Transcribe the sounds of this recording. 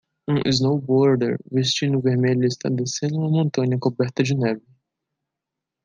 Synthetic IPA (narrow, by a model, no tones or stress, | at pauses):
ũʔḭznowbɔɾd̪ḛɾvest͡ʃĩnʊveɾmeʎʊɪst̪a̰d̪esẽnd̪ʊ̃ɐ̃mõnt̪ɐ̃ɲɐkobɛɾt̪ɐd͡ʒɪnɛvɪ